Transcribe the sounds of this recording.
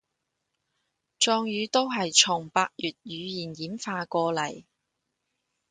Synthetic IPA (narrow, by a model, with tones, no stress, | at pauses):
t͡ʃɔː˧ŋjyː˨˧t̪o˥wɦɐ˨jt͡ʃʰʊ˨˩ŋpaː˧k̚jyː˨t̚jyː˨˧jiː˨˩njiː˨˥mfaː˧kɔː˧lɐ˨˩j